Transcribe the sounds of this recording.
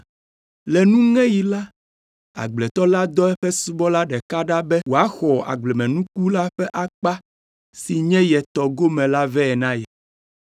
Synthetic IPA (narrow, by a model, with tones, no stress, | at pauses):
lɛ˨nũ˦ŋɛ̃˦ji˨la˦ | a̰˨ɡ͡blɛ˨t̪ɔ˦la˦d̪ɔ˦ɛ˦ɸɛ˦su˦bɔ˦la˦ɖɛ˨ka˦ɖa˦bɛ˦wo˨a˦xɔ˨a̰˨ɡ͡blɛ˨mɛ̃˨nũ˦ku˦la˦ɸɛ˦ʔa˦k͡pa˦ | si˨ɲɛ̃˦jɛ˨t̪ɔ˨ɡo˦mɛ̃˨la˦vɛ˦ɛ˨nã˦jɛ˨